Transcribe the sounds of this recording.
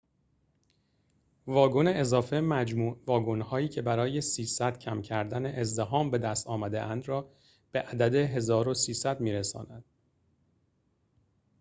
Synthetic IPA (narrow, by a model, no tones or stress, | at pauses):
vɒːɡo̞ne̞ʔezɒːfe̞mæd͡ʒmuːʔvɒːɡo̞nhɒːiːcʰe̞bæɾɒːje̞siːsæd̪̥cʰæmcʰæɾd̪æne̞ʔezd̪eɦɒːmbe̞d̪æst̪ɒːmæd̪eʔænd̪ɾɒː | b̥e̞ʔæd̪æd̪e̞ɦe̞zɒːɾosiːsæd̪miːɾesɒ̰ːnæd̪̥